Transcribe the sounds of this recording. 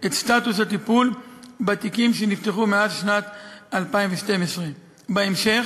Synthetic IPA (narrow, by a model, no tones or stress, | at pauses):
ʔet̪st̪at̪us̬hat̪ipulbat̪ikimʃenift̪eχumeazʃnat̪alpaimveʃte̞mesʁe | baemʃe̞χ